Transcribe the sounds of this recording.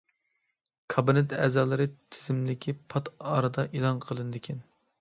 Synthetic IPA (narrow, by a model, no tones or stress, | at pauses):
kʰɑbinɪt̪ɛːzɑːlˠɨɾɨt̪ʰɪ̥zɪmlɪkʲʰipʰɑt̪ɑːɾɨd̪ɑʔelˠɑnqʰəlˠɨnɨd̪ɪkʲʰɛn